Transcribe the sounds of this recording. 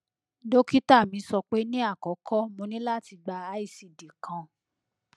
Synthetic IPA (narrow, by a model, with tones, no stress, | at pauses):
do˦ki˦ta˦˨mĩ˨˦sɔ˧k͡pe˦nĩ˦a˦˨kɔ˨˦kʰɔ˦mõ˧nĩ˦la˦˨ti˧ɡ͡ba˧a˦i˦˧˨si˧˨de˨kʰã˧